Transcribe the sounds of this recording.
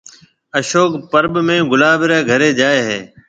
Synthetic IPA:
əʃoːkpəɾbmẽːɡʊlaːbɾaːɡʱəɾeːd͡ʒaːeːɦeː

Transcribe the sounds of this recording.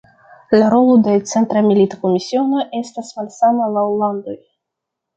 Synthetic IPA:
laɾo̞lo̞de̞t͡se̞nt̪ɾamilitako̞misio̞no̞ʔe̞stasmalsamalawlando̞j

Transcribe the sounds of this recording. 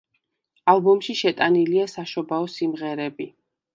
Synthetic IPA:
alˠbɔmʃiʃɛt̪ʼaniliasaʃɔbaɔsimʁɛɾɛbi

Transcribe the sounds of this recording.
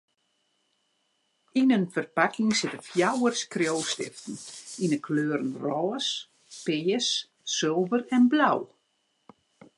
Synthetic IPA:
inənfərpakʰɪŋsɪtəfjawərskrjowstɪ̰ftn̩inəkʰløːɾən̩rɔːs | pɪːəs | sølˠvərɛnblaw

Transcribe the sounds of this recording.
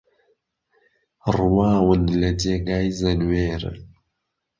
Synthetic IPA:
rwaːwənlɐɟeɡaːizɐnweːɾə̰

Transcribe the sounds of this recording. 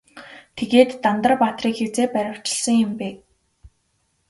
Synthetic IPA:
t̪ʰeɣeːt̪ːant̪ə̆rpat̪riːkxet͡seːpæɾʲə̆w̥t͡ɕɪ̥̆ɮsə̆ŋjʊ̆mpeː

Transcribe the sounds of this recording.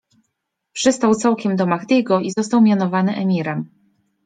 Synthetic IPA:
pʂɘst̪awt̪sawkʲɛmd̪ɔmaɣd̪ʲiɡɔizɔst̪awmʲjanɔvanɘʔɛmʲiɾɛm

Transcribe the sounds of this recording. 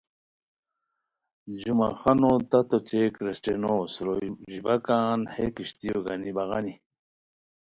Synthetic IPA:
d͡ʑuma̰χanot̪ɐt̪ot͡ɕekɾesʈenosɾoʑibakaːnhekiɕt̪ijoɡanibaɣani

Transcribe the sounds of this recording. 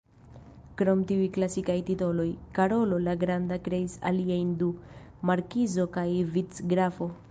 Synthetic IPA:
kɾo̞mtiujklasikajtito̞lo̞jkaɾo̞lo̞laɡɾandakɾe̞isa̰liajndu | maɾkizo̞kajvit͡sɡɾafo̞

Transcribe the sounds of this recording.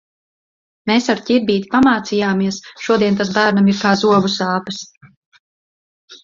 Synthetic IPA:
meːsaɾcʲiɾbiːt̪i̥pamaːt̪sijaːmiɛsʃuɔd̪iɛnt̪asbæːɾnamiɾkaːzuɔbusaːpɨs

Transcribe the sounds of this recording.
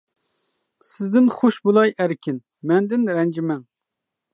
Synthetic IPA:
sɪzd̪ɪnχoʃbulˠɑjʔæɾkʲʰɪn | mɛnd̪ɪnɾɛnd͡ʒimɛŋ

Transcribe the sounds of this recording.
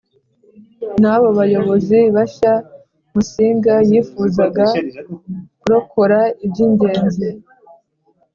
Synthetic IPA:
naβo̞βajo̞βo̞ziβaʃa | musiːŋɡajiːfuzaɡa | kuɾo̞kʰo̞ɾaibɟiɲɟe̞ːnzi

